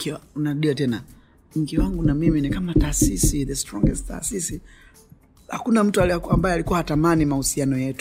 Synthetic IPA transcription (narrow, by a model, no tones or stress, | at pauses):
kiaunaɾuɗiatɛna | ɲ̩ɡiwaŋɡunamiminikamataːsisiðɛstɾɔŋɡɛstta̰ːsisi | hakunam̩tualambajɛalikuwahatamanimahusianɔjɛtu